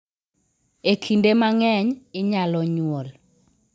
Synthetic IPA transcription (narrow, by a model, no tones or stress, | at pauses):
ekʰindemaŋɛɲɪɲalɔɲwol